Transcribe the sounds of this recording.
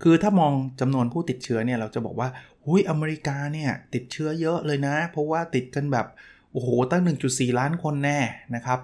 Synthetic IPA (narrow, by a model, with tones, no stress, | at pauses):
kʰɯː˧t̪ʰaː˥˩mɔː˧ŋt͡ɕa˧mnu˧ənpʰuː˥˩t̪i˨˩t̪̚t͡ɕʰɯ˦˥ɐni˥˩ɐɾa˧wt͡ɕa˨˩bɔ̰ː˨˩k̚waː˥˩hu˦˥˩jʔa˧meː˧ɾi˦˥kaː˧ni˥˩ɐt̪i˨˩t̪̚t͡ɕʰɯ˦˥ɐjɤ˦˥ʔlɤː˧jna˦˥pʰɔ˦˥waː˥˩t̪i˨˩t̪̚ka˧nbɛː˨˩p̚ʔoː˨˩hoː˨˩t̪a˥˩ŋnɯ˨˩ŋt͡ɕu˨˩t̪̚siː˨˩laː˦˥nkʰo˧nːɛː˥˩na˦˥kʰa˦˥p̚